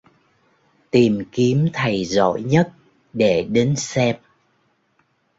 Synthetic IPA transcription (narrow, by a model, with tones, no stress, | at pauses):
t̪i˨˩mki˨˦əmt̪ʰə˨˩jzo̰˧˨jɲə˦˥t̚ | ɗe˧˩ɗe˨˦nsɛ˧m̚